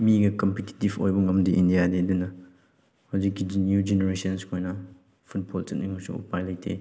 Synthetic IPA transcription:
miɡɐkɐmpeti̥tibo̰jbɐŋɐmdiʔindijadeɐdunːɐ | hawzikːid͡ʒinjud͡ʒeneɾesɐnskʰojnɐ | pʰut̚boltɐt̚nimɐsṵṵpajlɐjtʰḛ

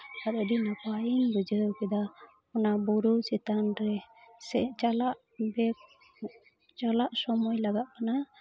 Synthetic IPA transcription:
aɾədinapainbəd͡ʒəkɛd̪a | ɔnabuɾut͡ʃɛt̪anɾɛsɛt͡ʃalaʔ | bɛk | t͡ʃalaʔsɔmɔjlaɡaʔ̪̚kana

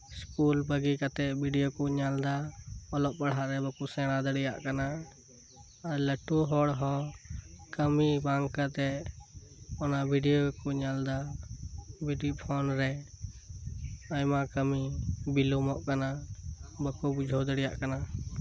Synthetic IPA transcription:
skulbəɡikat̪ɛbʱiɖijokuɲald̪aɔlɔʔ̚paɽɦaʔɾɛbəkusɛɽ̃ad̪əɽijaʔkana | aɾləʈuɦɔɽɦɔ̃ | kəmibaŋkat̪ɛʔ | ɔnabʱiɖijokɔɲald̪a | bʱiɖiʔpʰɔnɾɛ | ajmakəmibilumɔʔkanabəkubud͡ʒʱɔwd̪əɽijaʔkana

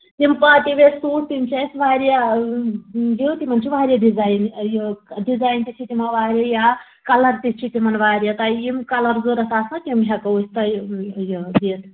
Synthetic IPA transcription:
t̪impaːt̪iʋesuːʈ̚ʰt̪imt͡ʃasʋaːɾja | jot̪imɐnt͡ʃʰiʋaːɾʲjaɖizaːjnjɖizaːjnt̪isʰit̪imaʋaːɾʲjaja | kɐlɐɾt̪ist͡ʃʰit̪imɐnʋaːɾijɐt̪ajimkɐlɐɾzoːɾɐsaːsnakʲimɦʲɐkɐusʲt̪ɐjd̪iːt̪

